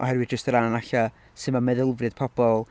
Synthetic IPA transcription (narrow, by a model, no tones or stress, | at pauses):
ʔɔ̰hɛɾwɨd̥̚d͡ʒəstəɾananaɬa | sɨmamɛðɪlˠvrɨð̥pʰɔb̥ɔlˠ